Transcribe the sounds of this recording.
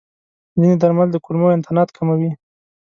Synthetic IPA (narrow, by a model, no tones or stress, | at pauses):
zined̪aɾmald̪əkulmoɪnt̪ɪnɑt̪kʰamawi